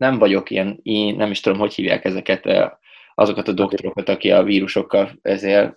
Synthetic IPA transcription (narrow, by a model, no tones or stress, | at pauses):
nɛɱvɒɟo̞kijɛniːnnɛmiʃt̪ud̪o̞mho̞chiːvja̰ːkɛzɛkɛt̪ɛ̰ | ɒzo̞kɒt̪ɒd̪o̞kt̪oɾo̞kɒt̪ɒkiɒ̰viːɾuʃo̞kːɒlɛzeːl